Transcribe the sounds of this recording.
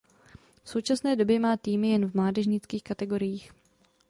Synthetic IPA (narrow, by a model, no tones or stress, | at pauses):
fso̞wt͡ʃasnɛːdo̞bjɛmaːt̪iːmɪjɛnvmlaːdɛʒɲɪt͡skiːxkat̪ɛɡo̞ɾɪjiːx